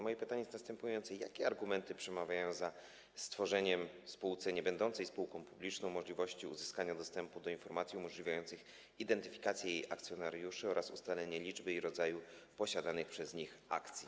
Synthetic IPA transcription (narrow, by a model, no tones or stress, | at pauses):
mɔjɛpɘt̪aɲejɛsnast̪ɛmpujɔnt̪sɛjakʲɛaɾɡumɛnt̪ɘpʂɛmavʲjajɔ̃w̃za | st̪fɔʐɛɲɛm | spuwt̪sɛɲɛbɛnd̪ɔnt̪sɛjspuwkɔ̃w̃publʲit͡ʂnɔ̃w̃mɔʐlʲivɔɕt͡ɕiuzɘskaɲad̪ɔst̪ɛmpud̪ɔinfɔɾmat̪sʲjiumɔʐlʲivʲajɔnt̪sɘx | id̪ɛnt̪ɘfʲi̥kat̪sʲjɛjejʔak̚t̪sʲjɔnaɾjuʂɘɔɾʔasṵst̪alɛɲɛlʲid͡ʐbɘiɾɔd̪zajupɔɕad̪anɘxpʂɛzɲixa̰kt̪sʲji